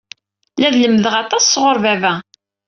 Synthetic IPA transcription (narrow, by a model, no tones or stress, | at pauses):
læðləmːðəʁɑt̪ˤɑsːʁoɾˤvævæ